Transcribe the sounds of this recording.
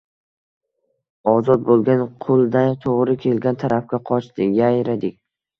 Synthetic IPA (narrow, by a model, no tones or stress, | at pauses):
ɒzɒt̪̚bolˠɡʲanqʰʊlˠd̪ant̪ʰoʁɾɪkʲʰe̞lɡʲant̪ʰaɾap̚kʲaqʰɒt͡ʃt̪ɪjajɾad̪ɪkʲ